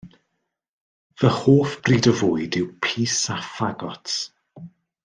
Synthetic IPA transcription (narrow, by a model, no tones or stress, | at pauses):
vəhoːfb̥riːdəvʊjdɪwpʰiːsafaɡɔt